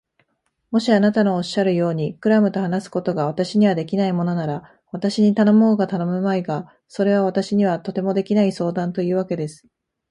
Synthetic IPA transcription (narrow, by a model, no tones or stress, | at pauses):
mo̞ɕianat̪ano̞ːɕːaɾɯ̟jo̞ːɲ̟ikɯ̟ɾamɯ̟t̪o̞hanasɨ̥ko̞t̪o̞ɡaβat̪aɕiɲ̟iβ̞ad̪e̞kʲinaimo̞no̞naɾa | βat̪aɕiɲ̟it̪ano̞mo̞ːɡat̪ano̞mɯ̟maiɡa | so̞ɾe̞β̞aβat̪aɕiɲ̟iβ̞at̪o̞t̪e̞mo̞d̪e̞kʲinaiso̞ːd̪ãnt̪o̞jɯ̟ːβake̞d̪e̞sɨ̥